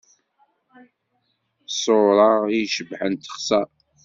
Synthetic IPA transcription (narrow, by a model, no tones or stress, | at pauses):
sˤoɾˤɑʁjʃəbħənt̪ə̥χsæ